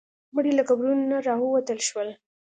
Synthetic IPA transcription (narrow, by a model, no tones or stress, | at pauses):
məɽilakabɾunnaɾɑwəwat̪əlʃwəl